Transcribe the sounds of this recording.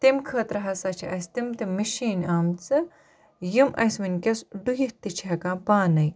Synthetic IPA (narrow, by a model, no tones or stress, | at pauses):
t̪imkʰɐːt̪ɾɐɦɐsɐt͡ʃʰiʔɐst̪imt̪imːɐʃiːnaːmt͡sɨ | jimʔɐ̰sminkʲɐsɖujiht̪it͡ʃʰiɐkaːpaːnɐj